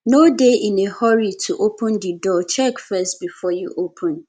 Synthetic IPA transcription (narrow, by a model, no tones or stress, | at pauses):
nodeʔɪ̃nehɔɹitʰuʔopʰə̃ndidɔt͡ʃʰɛkfɛst̚bifɔjṵʔopʰə̃n